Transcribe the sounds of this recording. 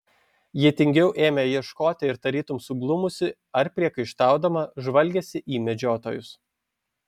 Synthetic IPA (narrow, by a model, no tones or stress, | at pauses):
jit̪ʲɪŋʲɡʲɛʊʔeːmʲɛjiɛʃkoːt̪ʲɪɪɾt̪ɐɾʲiːt̪ʊmsʊɡlˠʊmʊsʲɪ | ɐɾpʲɾʲiɛkɐɪʃt̪ɑˑʊd̪ɐmɐʒʋɐlʲɡʲɛsʲɪʔiːmʲɛd͡ʒʲoːt̪o̰ːjʊs